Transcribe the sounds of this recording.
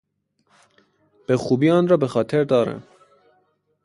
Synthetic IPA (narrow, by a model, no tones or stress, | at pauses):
b̥exuːbiːɑːnɾɒːbexɒːt̪ʰeɾd̪ɒːɾɛ̰n